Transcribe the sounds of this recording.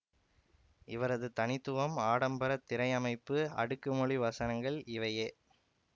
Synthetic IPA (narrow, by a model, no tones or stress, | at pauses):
ɪʋɐɾɐðɯt̪ɐnɪt̪ːɯʋɐmaːɽɐmbɐɾɐt̪ːɪɾɐɪɐmɐɪpːɯɐ̰ɽɯkːɯmɔɭiʋɐsɐnɐŋɡɐɭɪʋɐjeː